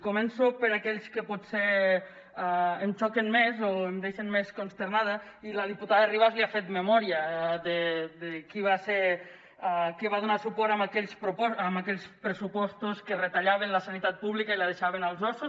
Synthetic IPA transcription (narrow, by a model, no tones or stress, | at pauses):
komɛnsopəɾakɛʎskəpɔtse | emt͡ʃɔkenmezoemd̪eʃenmeskonst̪eɾnað̞ə | iləð̞iput̪aðəriβ̞azliafet̪məmɔɾiəd̪əd̪ekiβaseɾ | kiβaðunasupɔɾamakɛʎspɾoɔamakɛʎspɾəsupɔst̪uskəret̪aʎaβenləsanit̪at̪̚puβlikəiləð̞eʃaβ̞enəlˠzɔsu